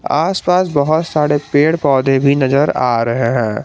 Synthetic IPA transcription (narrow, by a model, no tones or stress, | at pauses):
aːspaːsbɐɦʊt̪saːɽepeːɽpɔːd̪ebʱinɐzəɾaːɾɐɦeɦɛ̃ː